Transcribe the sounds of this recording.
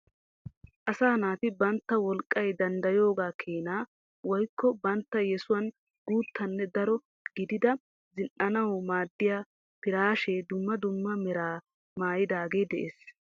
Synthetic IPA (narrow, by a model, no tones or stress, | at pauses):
ʔɐsaːnaːt̪ɪbɐnt̪ːɐwɔlkʼːɐjd̪ɐnd̪ɐjo̞ːɡaːkʰeːnaː | wɔjkːɔbɐnt̪ːɐjɛsʊwɐn | ɡuːt̪ʰːɐnːɛd̪ɐɾɔ | ɡ̥ɪd̪ɪd̪ɐ | zɪnnʔɐnɐwmaːd̪ːɪjaː | pɪɾaːʃeːd̪ʊmːɐd̪ʊmːɐmɛɾaː | maːjɪd̪aːɡe̞ːd̪ɛʔeːs